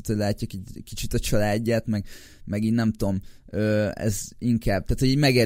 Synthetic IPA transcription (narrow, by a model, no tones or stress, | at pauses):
t̪hoɟlaːcːakikit͡ʃit̪ɒt͡ʃɒlaːɟːaːt̪mɛɡ | mɛɡiːnnɛmt̪o̞m | øːɛ̰ziŋkʰaːb̚t̪aːt̪hoɟiːɟmɛɡeː